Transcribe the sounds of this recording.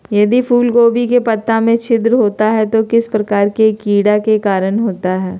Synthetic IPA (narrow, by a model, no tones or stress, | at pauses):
jɐd̪ipʰuːlɡoːbikepɐt̪ːamẽt͡ʃʰɪd̪ɾɦoːt̪aɦɛt̪okɪspɾɐkaːɾkekiːɽakekaːɾənɦoːt̪aɦɛː